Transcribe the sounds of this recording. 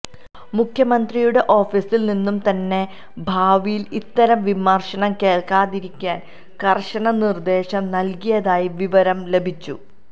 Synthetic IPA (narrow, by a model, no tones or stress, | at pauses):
mukʰjɐmɐnd̪rijuɽe̞ʔo̞ːfiːsilninːumt̪ɐnːe̞ | bʱaːʋijilit̪ːɐɾɐmʋimɐrʂɐɳɐmke̞ːɭkaːðiɾikʲːaːn | kɐrʂɐɳɐnird̪e̞ːɕɐmnɐlkijɐðaːjiʋiʋɐɾɐmle̞bʱit͡ɕːṵ